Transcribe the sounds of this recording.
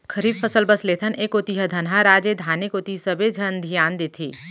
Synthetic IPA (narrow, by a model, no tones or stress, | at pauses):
kʰəɾiːbfəsəlbəsleːt̪ʰəneːkot̪iɦəd̪ʱɐnɦaɾaːd͡ʒed̪ʱaːnikot̪isɐbed͡ʒʱɐnd̪ʱijaːnd̪eːt̪ʰḭː